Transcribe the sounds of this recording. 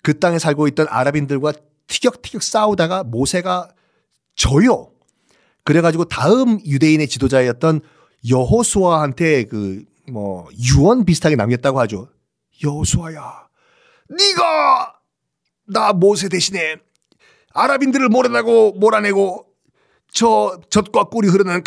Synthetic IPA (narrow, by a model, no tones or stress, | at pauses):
kɯt͈aŋe̞sʰaɭɡoit̚t͈ʌnʔa̰ɾabindɯɭɡwa | tʰɯ̥ɡjʌk̚tʰɯ̥ɡjʌk̚s͈audaɡamosʰe̞ɡa | t͡ɕʌjʌ | kɯɾe̞ɡad͡ʑiɡotaɯmjude̞ine̞t͡ɕidod͡ʑaejʌt̚t͈ʌn | jʌɦosʰowahantʰe̞kɯ | mʌjuʌnpisʰɯ̥tʰaɡenamjʌt̚t͈aɡohad͡ʑo | jʌhosʰoaja | niɡa | namosʰe̞de̞ɕʰine̞ | aɾabindɯɾɯɭmoɾedaɡomoɾane̞ɡo | t͡ɕʌt͡ɕʌt̚k͈wak͈uɾiɦɯɾɯnɯnk